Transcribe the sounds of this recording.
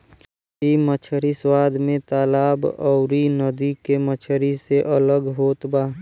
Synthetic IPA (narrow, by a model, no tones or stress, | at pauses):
imət͡ʃʰəɾiswaːd̪mẽt̪aːlaːbɔʊɾinəd̪ikemət͡ʃʰəɾiseʔələɡɦoːt̪baː